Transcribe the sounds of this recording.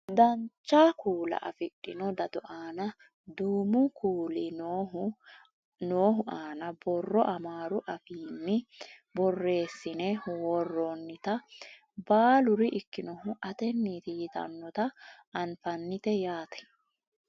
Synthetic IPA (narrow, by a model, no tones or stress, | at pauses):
d̪ɐnt͡ʃːaːkuːlɐ̰ʔɐ̰fɪɗʼːɪnɔd̪ɐd̪ɔʔaːnɐ | d̪uːmʊkuːlɪ | noːɦʊʔaːnɐbɔrːɔʔɐmaːɾʊʔɐfiːnːɪ | bɔrːe̞ːsːɪnɛwɔrːɔnːɪt̪ɐ | baːlʊɾɪʔɪkːɪnɔɦʊʔɐt̪ɛnːiːt̪ɪjɪt̪ɐ̰nːɔt̪ɐː | nfɐnːɪt̪ɛjaːt̪ɐ̥